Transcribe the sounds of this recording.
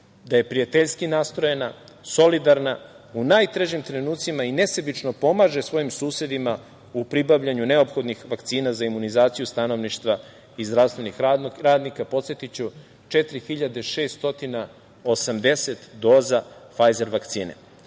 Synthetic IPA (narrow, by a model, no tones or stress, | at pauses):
d̪aje̞pɾijat̪eʎskinaːst̪ɾo̞jena | so̞lid̪aɾna | unaːjt̪ɾeʒimt̪ɾe̞nuːt̪simaine̞sebit͡ʃno̞po̞maːʒesʋo̞jimsuːse̞d̪ima | upɾibaʋʎaɲune̞o̞pxo̞d̪nixʋakt̪siːnazaimunizaːt̪sijust̪ano̞ʋniʃt̪ʋa | izd̪ɾafst̪ʋe̞nixɾaːd̪nikapo̞t̪set̪it͡ɕu | t͡ʃet̪ɾixiʎad̪eʃe̞ːst̪o̞t̪ina | o̞samd̪e̞set̪d̪o̞ːzafajzeɾʋakt̪sḭːnḛ